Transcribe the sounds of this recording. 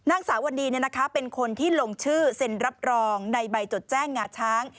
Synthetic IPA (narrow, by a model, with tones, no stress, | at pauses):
na˥˩ŋsaː˩˦wa˧ndiː˧ni˥˩ɐna˦˥kʰa˦˥pe˧nkʰo˧nt̪ʰiː˥˩lo˧ŋt͡ɕʰɯː˥˩se˧nɾa˦˥p̚ɾɔː˧ŋna˧jba˧jt͡ɕo˨˩t̪̚t͡ɕɛː˥˩ŋːaː˧˩t͡ɕʰaː˦˥ŋ